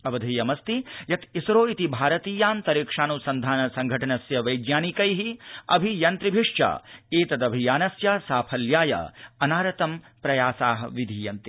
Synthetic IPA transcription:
ɐʋɐd̪ʱɐːjɐmɐst̪ijɐt̪isɾoːit̪ibʱaːɾɐt̪iːjaːnt̪ɐɾikʂaːnusɐnd̪ʱaːnɐsɐŋɡʱɐʈɐnɐsjɐʋɐjɡjaːnikɐjɦiɐ̰bʱijɐnt̪ɾibʱiʂt͡ʃa̰ːeːt̪ɐd̪ɐbʱijaːnɐsjaːsaːpʰɐljaːjɐ̰ɐnaːɾɐt̪ɐm | pɾɐjaːsaːɦɐ̰ʋid̪ʱijɐnt̪i

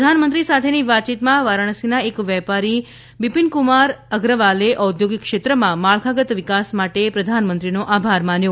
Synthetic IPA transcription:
d̪ʱanmənt̪ɾisat̪ʰeniʋat̪t͡ʃit̪mãʋaɾəɳ̃əsinaekʋɛpaɾi | bipinkumaɾəɡɾəʋaleʔəud̪joɡikːʃet̪ɾəmãmaɭkʰaɡət̪ʋikasmaʈepɾəd̪ʱanmənt̪ɾinoʔabʱaɾmanjo

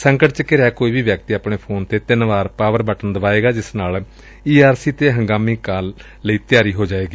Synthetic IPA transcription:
səŋkəʈt͡ʃəkɪɾaːkoːiːʋiːʋjəkt̪iːaːpɳeːpʰoːnt̪eːt̪ɪnʋaːɾpaːʋəɾbəʈənd̪əʋaːeːɡaːd͡ʒɪsnaːl | iːaːɾsiːt̪eːɦəŋɡaːmiːkaːlː | əiːt̪ɪjaːɾiːɦoːd͡ʒaːeːɡiː

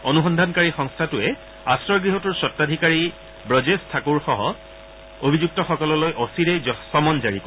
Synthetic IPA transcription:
onuxɔndʱankaɹixɔŋstʰatʊɛ | astɹɔɹɡɹiɦɔtuɹsɔtːadʱikaɹi | bɹɔd͡ʒestʰakuɹxɔɦɔ | obʱid͡ʑuk̚tɔxɔkɔlɔlojʔosiɹɛsɔmɔnd͡ʒaɹiko

